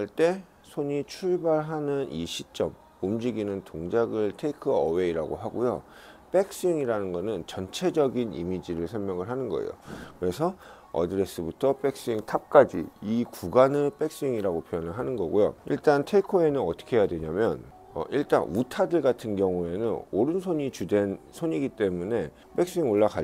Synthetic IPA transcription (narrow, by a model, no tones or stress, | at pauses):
ɭt͈e̞ | sʰoɲit͡ɕʰuɭbaɭɦanɯnʔiɕʰit͡ɕ͈ʌm | umd͡ʑiɡinɯntoŋd͡ʑaɡɯɭtʰeikʰɯʌwe̞iɾaɡo̰ɦaɡojo̰ | p͈e̞k̚s͈iŋiɾanɯnɡʌnɯnt͡ɕʌnt͡ɕʰe̞d͡ʑʌɡinḭmid͡ʑiɾɯɭsʰʌɭmjʌŋɯɭɦanɯnɡʌ̰ḛjo̰kɯɾe̞sʰʌ | ʌ̰dɯɾe̞s͈ɯbutʰʌp͈e̞k̚s͈iŋtʰap̚k͈ad͡ʑḭikuɡanɯɭp͈e̞k̚s͈iŋiɾaɡopʰjojanɯɭɦanɯnɡʌɡujo̰iɭt͈antʰeikʰoe̞nɯnʌt͈ʰʌ̥kʰe̞jadwe̞ɲamjʌn | ʌ̰ʔiɭt͈a̰nutʰadɯɭɡatʰɯnɡjʌŋue̞nɯnoɾɯnsʰoɲit͡ɕude̞nsʰoɲiɡit͈e̞mune̞ | p͈e̞k̚s͈iŋoɭːakʰa